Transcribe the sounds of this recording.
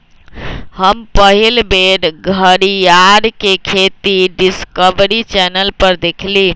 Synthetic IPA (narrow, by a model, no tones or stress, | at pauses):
həmpəɦilbeɾɡʱəɾijaɾkekʰet̪iɖiskəbɾit͡ʃɛnəlpəɾd̪ekʰli